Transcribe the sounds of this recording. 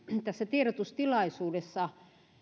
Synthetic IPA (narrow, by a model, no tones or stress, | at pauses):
t̪æsːæt̪ierot̪ust̪ilɑisuːdesːɑ